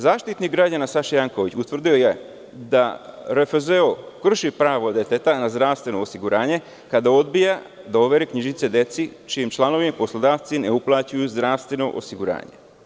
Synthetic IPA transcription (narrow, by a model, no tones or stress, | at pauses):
zaːʃt̪it̪nik̚ɡɾad͡ʑanasaʃjaŋko̞ʋit͡ɕut̪ʋɾr̩d̪ijo̞je | d̪aɾefezeokr̩ʃipɾaːʋo̞d̪et̪et̪anazd̪ɾaːʋst̪ʋe̞no̞ːsiɡuɾʔaːɲe̞ | kad̪ao̞d̪bija | d̪o̞ʋe̞ɾekɲiʒit̪sed̪e̞t̪sit͡ʃijimt͡ʃlˠano̞ʋimapo̞slˠod̪aːʋt̪sine̞uplˠat͡ɕujuzd̪ɾaʋst̪ʋe̞no̞̰ʔo̰siɡuɾa̰ːɲe̞̰